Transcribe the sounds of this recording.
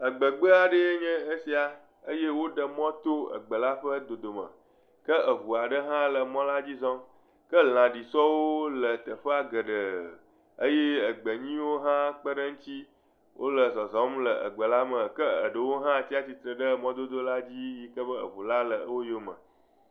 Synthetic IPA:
ə˨ɡ͡bə˨ɡ͡bə˦a˨ɖə˦ɲɛ̃˦ə˦si˨a˨ | ə˦je˦wo˦ɖə˨mɔ̃˦t̪o˦ə̰˨ɡ͡bə˨la˦ɸə˦d̪o˨d̪o˨mə̰̃˨ | kə˦ʔə˨βu˨a˨ɖə˦ɦã˦lə˨mɔ̃˦la˦d͡ʑi˦zɔ̃˦m | kə˦l̃ã˨ɖi˨sɔ˦wo˦lə˨t̪ə˨ɸə˦a˨ɡə˨ɖə˨ | ə˦je˦ə˨ɡ͡bə˨ɲĩ˦wo˦ɦã˦k͡pə˦ɖə˦ŋ̩̃˦t̪i˦ | wʔo̰˦lə˨zɔ˨zɔ̃˨˦mlə˨ʔə̰˨ɡ͡bə˨la˦mə̃˨kə˦ə̰˨ɖə˨wo˦ɦã˦˨t̪i˦a˦t̪i˨t̪ɾə˨ɖə˦mɔ̃˦d̪o˦d̪o˦la˦d͡ʑi˦ji˦kə˦bə˦ə̰˨βu˨la˦lə˨˦wo˦jo˦mə̰̃˨

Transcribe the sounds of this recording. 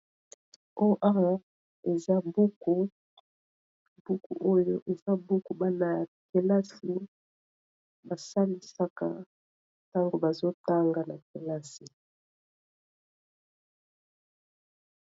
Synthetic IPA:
o˦ʔa˦a˦ | e˨za˦bo˦ko˨ | bu˦kṵ˨ʔo˦jo˦ʔe˨za˦bu˦ku˨ba˦na˨ja˨ke˨la˦si˦ | ba˨sa˦ni˨sa˦ka̰˨ | ta˦ŋɡo˨ba˨zo˦ta˦ŋɡa˨na˨ke˨la˦si˨

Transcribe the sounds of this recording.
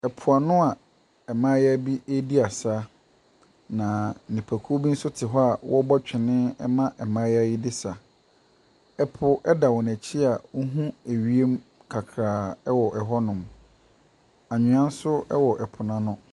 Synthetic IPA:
ɛ˨pʰʊ˨a˨nʊ̃˦a˨ | ɛ˨mã˦jæ˦bi˦ʔe˦di˦a˨sa˦ | nã˨nĩ˨pʰæ˨kʰu˦o˦bi˦n̩˦sʊ˦tʰɪ˨ɦɔ˦a˨wʔɔ˦bɔ˦t͡ɕᶣɪ˨nɪ̃˦ɛ˦mã˦ʔɛ˨mãː˦ja˦ji˦dɪ˦sa˨ | ɛ˦pʰʊ˨ʔɛ˦da˨wɔ˨n˨æ˨t͡ɕʰi˦a˨wʊ˦ɦũ˦æ˨ɥi˦e˦m | kʰa˨kʰɾaː˨ɛ˦wɔ˨ʔɛ˨ɦɔ˦nʊ̃˨m | a˨ɲʊ̃˨˦ã˦n̩˦sʊ˦ɛ˦wɔ˨ʔɛ˨pʰʊ˨nã˦nʊ̃˦

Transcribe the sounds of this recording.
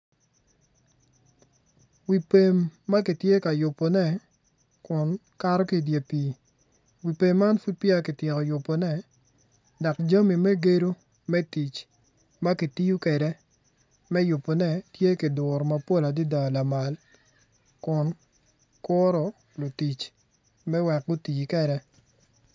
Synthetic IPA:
wi˨pe˨mːa˦ki˨tje˦ka˨jʊ˨pːɔ˨nɛ˦˨ | kʊ˨n | ka˦ɾɔ˦ki˦˨dje˨piː˨ | wi˨pe˨mːa˦nfu˦t̚pja˦kɪ˨tjɪ˨kɔ˨jʊ˨pːɔ˨nɛ˦˨ | dɔ˨kd͡ʒa˦mi˨mɛ˦ɡe˦ɾo˦ | mɛ˦ti˨t͡ʃ | ma˦ki˨ti˦ju˦kɛ˨ɾɛ˦ | mɛ˦jʊ˨pːo˨nɛ˦tje˦ki˨dʊ˨ɾɔ˨ma˨po˦la˨di˦da˨la˨ma˨l | kʊ˨n | kʊ˦ɾɔ˨ | lo˨ti˨t͡ʃ | mɛ˦wɛ˨k̚ɡʊ˦ti˨t͡ʃkɛ˨ɾɛ˦

